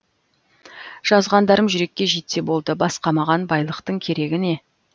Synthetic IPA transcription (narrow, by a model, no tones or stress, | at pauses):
ʒ̥ɑzʁɑnd̪ɑɾəmʒʏɾe̞kʲːe̞ʒet̪se̞bo̞lˠd̪əbɑsqɑmɑʁɑnbɑjlˠəqt̪əɴkʲʰe̞ɾe̞ɡʲɪne̞